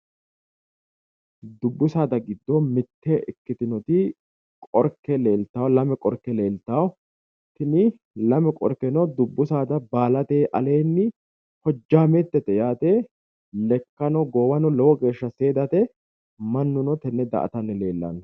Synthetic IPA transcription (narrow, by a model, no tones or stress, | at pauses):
d̪ʊbːʊsaːd̪ɐɡɪd̪ːɔmɪt̪ʰːɛʔɪkːɪt̪ɪnɔt̪ɪ | kʼɔɾkːɛle̞ːlt̪ːaːwlɐmɛkʼɔɾkːɛle̞ːlt̪ːaw | t̪ɪnɪ | lɐmɛkʼɔ̰ɾkɛnɔd̪ʊbːʊsaːd̪ɐbaːlɐt̪eːʔɐle̞ːnːɪ | hɔd͡ʒːaːmeːt̪ːɛt̪ːɛjaːt̪eː | lɛkːɐnɔɡoːwɐnɔlɔwɔɡe̞ːʃːɐse̞ːd̪ɐt̪ɛ | mɐnːʊnɔt̪ɛnːɛd̪ɐ̰ʔɐ̰t̪ɐnːɛle̞ːlːɐ̰nː